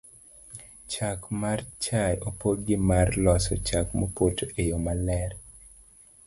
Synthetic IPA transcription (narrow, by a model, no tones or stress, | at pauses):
t͡ʃakmart͡ʃajopod̚ɡɪmarlɔsɔ̰t͡ʃakmopotejomalɛr